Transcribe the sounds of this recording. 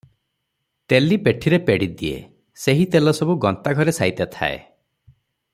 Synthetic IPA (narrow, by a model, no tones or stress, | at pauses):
t̪elipeʈʰiɾepeɽid̪iḛ | seɦit̪elɔsɔbuɡɔnt̪aɡʱɔɾesajt̪at̪ʰa̰ḛ